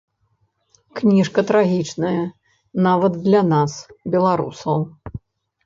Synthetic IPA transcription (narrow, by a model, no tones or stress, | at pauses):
knʲiʂkɐt̪ɾaɣʲit͡ʂnɐjɐ | navɐd̪d̪lʲɐnasbʲɛlˠaɾṵsɐw